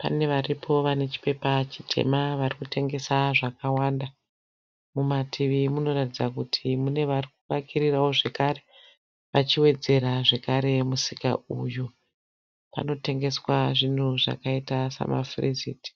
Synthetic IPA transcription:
pa̰ne̞ʋaripʰo̞ʋane̞t͡ʃi̥pe̞pat͡ʃitʰe̞̰maʋarikute̞ŋɡe̞saʐakawanda | mumatʰiʋimuno̞ratid͡zakutʰimune̞ʋarik̚uʋakʰirirawo̞ʐe̞kare̞ | ʋat͡ʃiwe̞d͡ze̞ɾaʐekaɾe̞musika̰uju | pa̰no̞te̞ŋɡe̞swaʐin̤uʐa̰kaitasa̰ma̰frizḭːti̥

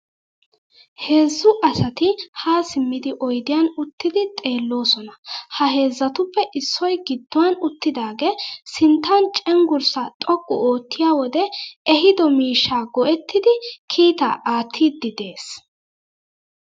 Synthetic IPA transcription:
he̞ːzːʊʔɐsɐt̪ɪhaːsɪmːɪd̪ɪʔɔjd̪ɪjanʊt̪ːɪd̪ɪt̪ʼe̞ːlːo̞ːsɔnɐhɐɦe̞ːzːɐt̪ʊpːɛʔɪsːɔjɡɪd̪ːʊwɐnʊt̪ːɪd̪aːɡesɪnt̪ːɐnt͡ʃʼɛŋɡʊɾsɐt̪ʼɔkʼːʊ̰oːt̪ːɪjaːwɔd̪ɛɛɦɪd̪ɔmiːʃːaːɡɔʔɛt̪ːɪd̪ɪkʰiːt̪a̰ʔaːt̪ʰːiːd̪ːɪd̪e̞ːs

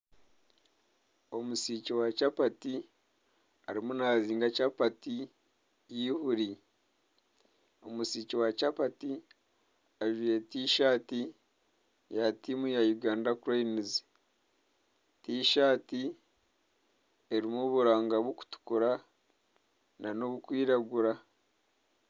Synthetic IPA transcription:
o̞musiːciwat͡ʃapati | aɾimunaːziːŋɡacapati | jihuɾi | o̞musiːciwat͡ʃapati | aʒujetiːʃaːti | jatimujajuɡaːndakuɾoinizi̥ | tiːʃaːti | e̞ɾimuβuɾaːŋɡaβoku̥tu̥kuɾa | nano̞βukwiːɾaɡuɾa

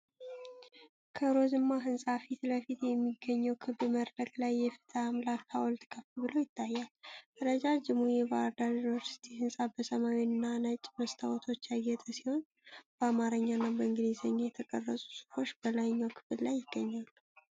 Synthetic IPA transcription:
kʰəɾo̞zɨmːaɦɨnsʼafit̪ləfit̪jɛmːiɡːəɲːəwkʰɨβɨməɾɾəklajːɛfɨ̥t̪ʰəmlakʰːa̰wɔlt̪ʰʼɨ̥kʼʰəfubɨlojɪt̪ʰːajːaləɾəd͡ʒad͡ʒɪmujebaɾd̪aɾvvəɾsi̥t̪ʰihɨnsʼabəsəmawiɨnːanət͡ʃʼːməst̪ʰawɔt̪ʰo̞t͡ʃːjaɡɛt̪ʼəsiho̞n | b̥əamaɾəɲːanːabəɨŋɡɨlizəɲːajɛt̪ʰəkʼə̰rːəsʼu̥su̥fo̞t͡ʃːbəlajɲːakʰɨ̥fɨd̪lajːɪɡ̥ːəɲːalːu

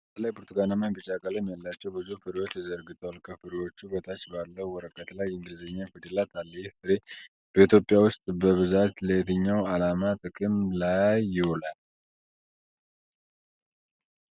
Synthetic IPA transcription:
bbət̪ʰəlajbuɾt̪ʰuɡanamːanbɨt͡ʃakʼalajmːijalːat͡ʃːɛwbɨzufɨɾwo̞t͡ʃjɛzəɾɡɨt̪ʰəwalkʰəfɨɾiwo̞t͡ʃːubət̪ʰat͡ʃːbalːəwwɔɾəkʼːət̪lajɨŋɡɨlzəɲːafɨd̪ilat̪ʰalːifɨɾe | b̥əit̪jo̞pʼijawʊst̪ʼbəβɨzat̪ləɛt̪ʰəɲːawalamat̪ʼɨkʼɨmlajːɪhɔlal

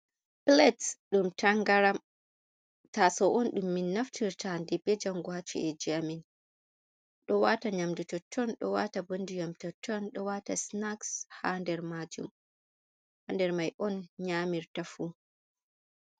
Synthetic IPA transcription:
plɛtsɗumtʰaŋɡaɾam | tasɔʔɔnɗumːinːaftʰiɾtandɛbɛd͡ʒamɡwat͡ʃṵʔɛd͡ʒamin | ɗɔwataɲamdutɔtʰːɔnɗɔwatabondijɔmtɔtʰːɔnɗɔwatasnakshandɛɾmad͡ʒṵm | handɛɾmajʔɔnɲamiɾtafu

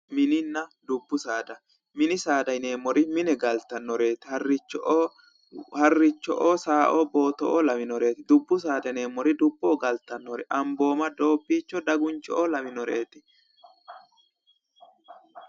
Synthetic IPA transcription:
mɪnɪnːɐd̪ʊbːʊsaːd̪ɐ | mɪnɪsaːd̪ɐjne̞ːmːɔɾɪmɪnɛɡɐlt̪ːɐnːɔɾe̞ːt̪ɪ̥hɐrːɪt͡ʃːɔʔoː | hɐrːɪt͡ʃːɔ̰ʔoːsaːʔobo̞ːt̪ɔ̰ʔolɐmɪnɔɾe̞ːt̪ɪd̪ʊbːʊs̬aːd̪ɐne̞ːmːɔɾɪd̪ʊbːoːɡɐlt̪ːɐnːɔɾɛʔɐmbo̞ːmɐd̪o̞ːbːiːt͡ʃːɔd̪ɐɡʊnt͡ʃɔʔoːlɐmɪnɔɾeːt̪ɪ̥

